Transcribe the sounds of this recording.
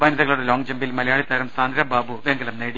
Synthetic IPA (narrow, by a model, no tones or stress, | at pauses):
bɐnɐðɐɣɐɭuɽelo̞ːŋɡd͡ʑɐmbilmɐlɐjaːɭit̪ɐɾɐmsaːnd̪ʱɾɐbaːbuʋeŋɡɐlɐmneːɽi